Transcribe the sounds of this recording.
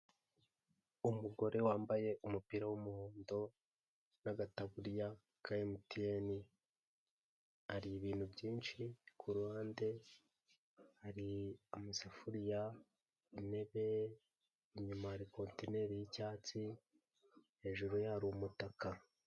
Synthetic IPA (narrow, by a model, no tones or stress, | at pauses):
umuɡo̞ɾe̞waːmbaje̞ʔumupiɾawumuhoːndo̞ | naɡataβuɾja | kʰajemutijeni | aɾiːβiːn̥hubɟiːnʃikʰuɾuwaːnde̞ | haɾiamusafuɾija | ine̞βe̞ː | ɲumahaɾiko̞ːntine̞ɾijicaːt͡si | he̞ːʒuɾujaɾuumutaka